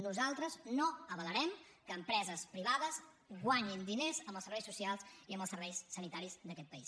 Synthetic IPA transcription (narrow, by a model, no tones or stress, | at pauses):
nuzalˠt̪ɾəznoəβələɾɛmkəːmpɾɛzəspɾiβaðəz | ɣwaɲind̪inezəmbəlˠsəɾβɛjsusialˠziəmbəlˠsəɾβɛjsːənit̪aɾizd̪əkɛt̪̚pəis